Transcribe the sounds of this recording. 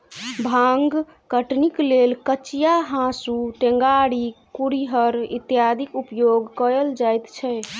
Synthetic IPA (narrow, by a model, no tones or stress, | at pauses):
bʱãŋɡ | kəʈniklelkət͡ʃijaɦãsuʈẽŋɡaɽikuɾiɦəɾḭt̪jad̪ʱikupjoɡkəəld͡ʒajt̪t͡ʃʰɛ